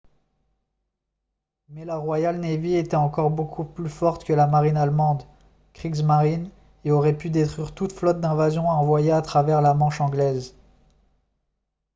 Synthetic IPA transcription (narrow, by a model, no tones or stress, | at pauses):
mɛlaʁwajalneviet̪ɛɑ̃kɔʁbokʰuplyfɔʁt̪kəlamaʁinalmɑ̃d̪ | kχizmaʁin | eɔʁɛpyd̪et̪χwɥiʁt̪ut̪flɔt̪̚d̪ɛ̃vazjɔ̃aɑ̃vwajeat̪χavɛʁlamɑ̃ʃɑ̃ɡlɛz